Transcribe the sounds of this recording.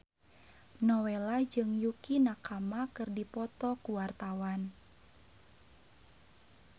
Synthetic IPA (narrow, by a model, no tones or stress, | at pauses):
nɔwelad͡ʒɨŋjukinakamakɨrdipɔt̪ɔkuwart̪awan